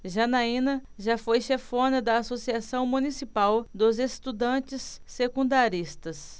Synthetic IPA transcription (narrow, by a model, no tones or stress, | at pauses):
ʒɐnaĩnɐʒafojʃefõnɐd̪ɐːsosiasɐ̃w̃mũnisipawd̪ʊzest̪ud̪ɐ̃t͡ʃɪsːekũnd̪aɾist̪ɐs